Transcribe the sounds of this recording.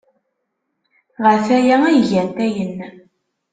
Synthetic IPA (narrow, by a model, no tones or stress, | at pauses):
ʁəfæjææjʝænt̪æjənː